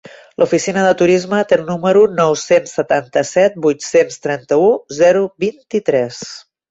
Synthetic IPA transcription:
lʔufisinəðət̪uɾizmət̪eəlˠnuməɾunɔwsensːət̪ant̪əsɛt̪̚bujt̪senst̪ɾɛnt̪əuzɛɾubint̪it̪ɾɛs

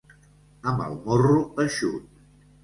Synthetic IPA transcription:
əmbə̰lˠmoruəʃṵt̪̚

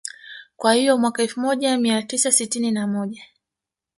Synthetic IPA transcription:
kwahijɔmwakaɛlfumɔʄamiatisasitininamɔʄa

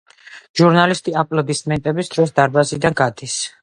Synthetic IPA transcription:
ʒ̥uɾnalist̪ʼiapʼlɔd̪isʼmɛnt̪ʼɛbisd̪ɾɔs̬d̪aɾbazid̪anɡad̪is

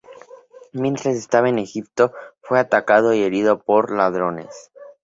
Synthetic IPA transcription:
mje̞nt̪ɾase̞st̪aβaene̞xip̚t̪o̞fwe̞at̪akað̞o̞ie̞ɾið̞o̞po̞ɾlað̞ɾo̞ne̞̰s

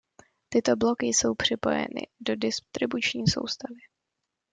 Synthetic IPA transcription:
t̪ɪt̪o̞blo̞kɪso̞wpr̝̥ɪpo̞̰jɛ̰nɪ̰do̞dɪst̪ɾɪbut͡ʃɲiːso̞̰wst̪avɪ

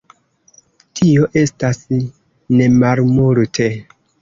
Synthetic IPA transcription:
tʰio̞ʔe̞stas | ne̞malmuɾtʰe

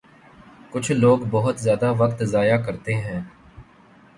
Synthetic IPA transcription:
kʊt͡ʃʰloːɡbɔɦʊt̪zjaːd̪aʋəkt̪zaːjaːkəɾt̪eɦɛ̃ː

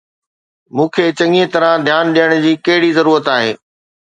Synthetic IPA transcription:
mũːkʰeːt͡ɕɐ̃ŋet̪ɐɾãd̪ʱjaːnɗijəɽ̃d͡ʑiːkɐɦɪɽizɐɾuːɾət̪aːɦḛː

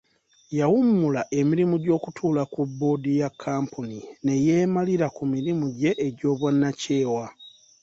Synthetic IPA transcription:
jawumːulaʔe̞miɾimuɟo̞ːkutʰuːlakubːo̞ːdijakʰːaːmpunine̞jeːmaliɾakumiɾimuɟe̞ʔːɟo̞ːβwenːace̞ːwa

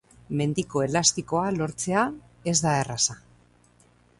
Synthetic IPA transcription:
me̞nd̪iko̞e̞last̪iko̞alo̞ɾt͡se̞a | e̞zd̪aerasa

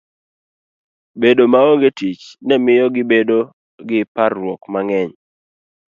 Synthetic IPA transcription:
bedomaoŋɡetit͡ʃnɛmɪjɔɡɪbedo | ɡɪparːwɔkmaŋɛɲ

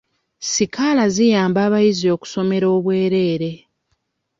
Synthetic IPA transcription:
sikalazijaːmbaːβajizio̞ːku̥so̞me̞ɾo̞ːβwe̞ːɾe̞ːɾe̞

